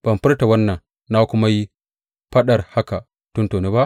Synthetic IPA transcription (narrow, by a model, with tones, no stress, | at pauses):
b̥ɐ˨mɸɪ˦rta˨wɐ˦nːɐ˨ŋ | naː˦kʷʊ˦ma˦ji˦ | ɸɐ˦ɗɐ˨rha˦ka˨ | tʊ˦ntoː˨neː˦ba˦ʔ